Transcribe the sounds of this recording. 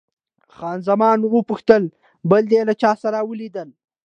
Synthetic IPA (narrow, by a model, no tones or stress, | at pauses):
xɑːnzamɑnwəpʊxt̪əl | bəld̪elat͡ʃɑsaɾawəlid̪əl